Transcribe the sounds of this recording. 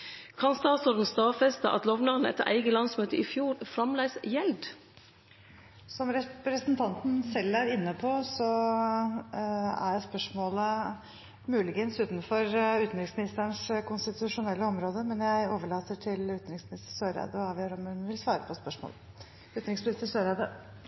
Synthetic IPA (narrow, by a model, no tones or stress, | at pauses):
kʰɑnst̪ɑːt̪sɔɾd̪n̩st̪ɑːfɛst̪ə̰ʔɑ̰t̪lɔʋnɑʁnəɛ̰t̪ːəɾʔæ̰ɪɡəlɑnsmøːt̪əʔɪfjuːɾfɾɑmlæɪsjɛld̪ | sɔmɾɛpɾɛsənt̪ʰɑnt̪n̩sɛlːæɾɪnːəpʰɔsɔ | æ̰jæɪspœʂmoːlə | mʉːlɪɡənsʉːt̪nfɔɾʉːt̪nɾɪŋsmɪnɪst̪əɳskʊnst̪ɪt̪ʉʂʊnɛlːəɔmɾoːd̪əmɛnjæɪoːʋəɭɑːt̪əʈʰɪlʉːt̪nɾɪŋsmɪnɪst̪ə̥ʂøːɾæ̰ːd̪ɔɑʋɪɾɔmʉnʋɪlsʋɑːɾəpʰɔspœʂmo̰ːlə | ʉːt̪nɾɪŋsmɪnɪst̪əsøːɾɑd̪ə